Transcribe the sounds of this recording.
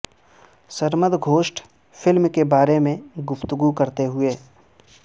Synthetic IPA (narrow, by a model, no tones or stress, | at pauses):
səɾməd̪ɡʱoːʃʈ | fʰɪlmkebaːɾemẽɡʊft̪əɡukɐɾt̪eɦʊeː